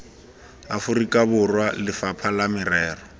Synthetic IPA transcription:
afʊrikʼabʊrwalɪfapʰalamɪrɛːrɔ

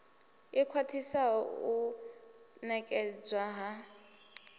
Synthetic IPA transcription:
ikʰwatʰisau | nɛkʼɛd͡zwaɦa

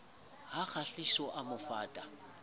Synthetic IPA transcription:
ɦak͡xʰaɬisɔʔamʊfaːtʼa

